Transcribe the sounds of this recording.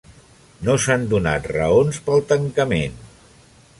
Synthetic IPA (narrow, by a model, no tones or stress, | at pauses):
nosand̪una̰t̪rə̰onspəlˠt̪əŋkəmen